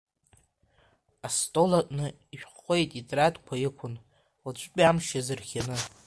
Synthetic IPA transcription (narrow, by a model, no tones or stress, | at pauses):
astʼo̞latʼnɨ | iʃᶣχʷejtʼitʼradkʷʰajɪkʷʰʊn | lat͡ʃʷʰʼpʲʼiamʃazɨrχʲanɨ